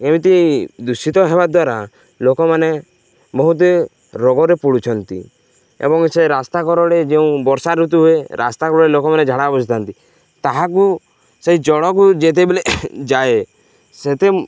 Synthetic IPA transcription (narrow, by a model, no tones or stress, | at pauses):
emit̪id̪usit̪ɔɦebad̪waɾa | lokɔmane | bɔɦut̪̬e | ɾɔɡɔɾepuɽut͡ʃʰɔnt̪ḭ | ḛbɔŋseɾast̪akɔɾɔɽed͡ʒeũbɔɾsaɾut̪̬uɦueɾa̰st̪akɔɾɔɽelokɔmaned͡ʒʱaɽabɔd͡ʒʰit̪ʰant̪i | t̪aɦaku | seɦid͡ʒɔɽɔkud͡ʒet̪̬ebeled͡ʒae | set̪e